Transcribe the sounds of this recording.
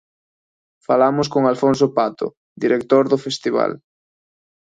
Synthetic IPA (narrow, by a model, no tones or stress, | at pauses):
falamʊskoŋalfons̬opat̪ʊ̰ | d̪iɾek̚t̪oɾðʊfest̪iβa̰l